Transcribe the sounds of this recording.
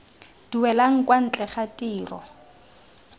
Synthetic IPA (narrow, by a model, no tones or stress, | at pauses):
d̥iwɛlaŋ̩kʼwan̩t͡ɬʼɛχatʼiːrɔ̰